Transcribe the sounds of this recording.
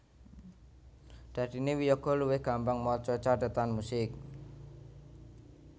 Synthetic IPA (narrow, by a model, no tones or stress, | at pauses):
d̪̥ä̤d̪̥inewijɔɡ̥ɔ̤luwɪhɡ̥ambaŋmɔt͡ʃɔt͡ʃaɖət̪anmusɪk̚